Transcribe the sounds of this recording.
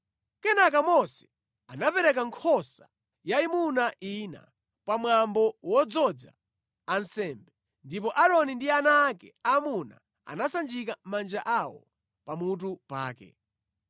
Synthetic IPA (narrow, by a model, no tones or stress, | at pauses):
kɛnak̬amɔsɛ̥ | anapɛɾɛkaŋkʰɔsa | jaimunaʔina̰ | pamwambɔwɔd͡zɔd͡za̰ | ansɛmbɛ | ndipɔʔaɾɔnindianaːkɛ̰amuna̰ | a̰nasand͡ʒikammand͡ʒaʔawɔ̰ | pamut̬upa̰ːkɛ̰